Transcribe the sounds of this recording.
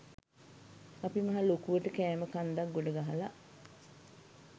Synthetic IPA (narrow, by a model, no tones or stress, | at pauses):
ɐpimɐɦalokuʋəʈəkɛːməkand̪ak̚ɡoɖəɡaɦala̰ʔ